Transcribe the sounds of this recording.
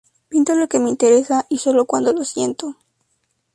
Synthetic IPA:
pint̪olo̞ke̞meint̪eɾe̞saʔiso̞lo̞kwand̪olosje̞nt̪o

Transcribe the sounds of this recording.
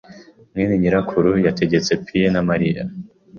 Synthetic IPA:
mŋeniɲiɾakʰuɾujatʰe̞ɟe̞t͡se̞pʰienamaɾija

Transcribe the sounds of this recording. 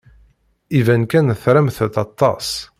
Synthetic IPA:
ivænkænθɾæmθθɑt̪ˤːɑs

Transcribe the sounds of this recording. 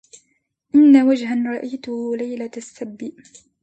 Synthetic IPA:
ʔɪnːawad͡ʒɦanɾˤɑʔajt̪ʊhlajlasːabːɪ

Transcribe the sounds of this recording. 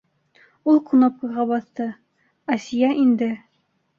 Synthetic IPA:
ulˠqunop̚kɤ̆ʁɑbɑθt̪ɤ | æsijæʔind̪ɘ

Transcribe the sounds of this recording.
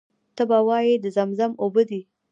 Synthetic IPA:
t̪əbawɑjed̪əzamzamobəd̪i

